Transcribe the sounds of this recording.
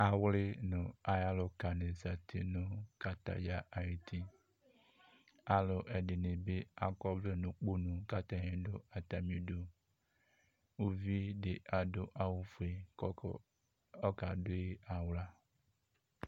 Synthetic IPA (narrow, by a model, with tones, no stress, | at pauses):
a˨wlɪ˦nʊ̃˨a˨ja˦lo˨ka˨ne˨za˨t̪ʰḛ˦nʊ̃˦ka˨t̪a̰˨ja˦ʔa˨je˨t̪i˦ | a˨lo˨ʔɛ˨ɖe˨nẽ˨be˦a˨kɔ˦ble˦nũ˨k͡po˦nũ˨ka˦t̪a˨ɲẽ˦ɖo̰˦a˨t̪a˨mĩ˦ɖo˦ | wu˦vi˦ɖe˨ʔa˨ɖo˦ʔa˨wu˦fo˨e˨˦ | ɔ˦ka˨ɖo˦e˦a˨wla˦